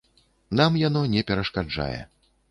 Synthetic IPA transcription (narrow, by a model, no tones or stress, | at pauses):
namjan̪ɔnʲɛpʲɛɾɐʂkad͡ʐa̰jɛ̰